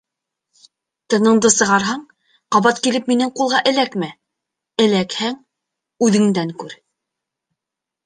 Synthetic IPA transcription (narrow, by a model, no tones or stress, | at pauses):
t̪ɤ̆nɤ̆ɴd̪ɤsɤ̆ʁɑɾɦɑɴ | qɑβɑt̪kilɘpminɘŋqulˠʁɑʔɘ̆lækmæ | ɘ̆lækhæŋ | ʉðɘ̆ŋd̪æŋkʉɾ